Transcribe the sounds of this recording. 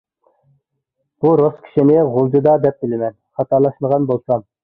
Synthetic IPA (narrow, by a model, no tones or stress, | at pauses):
b̥uɾoskʲʰi̥ʃinɪʁolˠd̪ɨd̪ɑd̪ɛp̚bɪlɪmɛnχɑt̪ʰɑlˠɑʃməʁɑnbolˠsɑm